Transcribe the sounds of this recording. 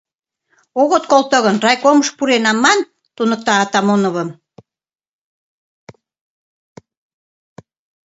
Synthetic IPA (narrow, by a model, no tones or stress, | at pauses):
oɣot̪̚kolt̪ə̆ɣənrɑjkoməʃpuɾenɑmːɑn | t̪unək̚t̪ɑːt̪ɑmonə̆βə̆m